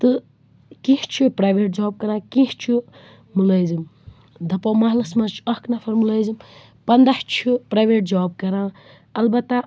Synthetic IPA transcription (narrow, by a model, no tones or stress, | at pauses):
t̪ɨ | kĩht͡ʃʰipɾajʋeːʈ̚d͡ʒaːb̚kɐɾãːkĩht͡ʃʰu | mulɐjzim | d̪ʱɐpɐwmɐɦlɐsmɐt͡ʃʰu̥ɐ̃hknɐfʰɐɾmulɐjzim | pɐnd̪aht͡ʃʰipɾajʋeːʈ̚d͡ʒaːb̚kɐɾãː | ɐlbɐt̪ːa